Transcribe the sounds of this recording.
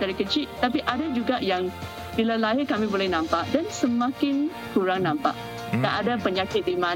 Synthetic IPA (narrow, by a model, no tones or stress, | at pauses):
daɾikət͡ʃit̪apiʔadad͡ʒuɡaʔjaŋ | bilalaɦɪrkamibolɛhnãmpaʔ̚dansəmãkɪn | kuɾaŋnãmpa̰ʔ | kaʔadapəɲakɪt̪̚dima